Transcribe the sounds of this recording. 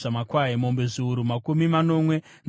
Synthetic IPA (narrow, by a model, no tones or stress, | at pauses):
amakwaɦemo̞mbeʐuːɾumakumimano̞mwe̞ | n